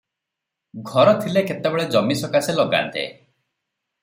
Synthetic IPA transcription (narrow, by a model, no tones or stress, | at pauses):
ɡʱɔɾɔt̪ʰilekʰet̪ebeɭed͡ʒɔmisɔkaseloɡa̰nt̪ḛ